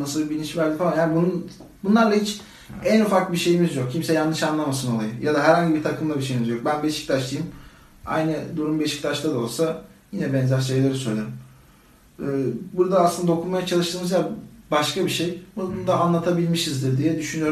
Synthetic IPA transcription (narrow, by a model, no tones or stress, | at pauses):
nasɯlˠbilʲint͡ʃvæɾld̪ʲifalˠanjaːnibunun | bunlˠaɾlˠait͡ʃ | ænufak̚biʃe̞jimizjok̚cʰimsɛjanːɯʃanlˠamasɯno̞lˠajɯjad̪aɦæɾhaɲɟibiɾt̪ʰakʰɯmlˠabiʃe̞jimizjo̞k̚bænbieʃi̥clʰʲat͡ʃlɯjim | a̰jnɯd̪uɾumbieʃi̥clʲat͡ʃt̪ˠad̪ao̞lˠsajinɛbɛnzæɾʃe̞jlʲe̞ɾisø̞jlʲeɾim | ɯːbuɾd̪aːslɯnd̪aokʰunmajat͡ʃʰalˠɯʃt̪ɯːmɯzjabaʃkʰabiʃejbuud̪aːnlˠat̪ʰabilʲmiʃizd̪iɾd̪ijɛd̪yʃynyjoɾ